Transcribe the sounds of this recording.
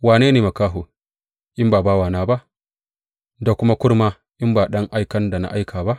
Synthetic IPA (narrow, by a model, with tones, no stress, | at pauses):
waː˨neː˦neː˨mɐ˨kaː˦ɦoː˨ | ʔɪ˦mbaː˨baː˦waː˨naː˦ba˦ʔ | da˨kʷʊ˦ma˦kʷʊ˦ɾmaː˦ | ʔɪ˦mbaː˨ɗɐ˦ŋʔa˦jkɐ˦nda˨na̰˨ʔa˦jkʰaː˨ba˦ʔ